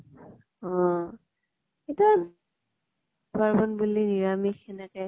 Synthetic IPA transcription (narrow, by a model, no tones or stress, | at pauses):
ɔ | it | baɹbɔnbuliniɹamixɛnɛkɛ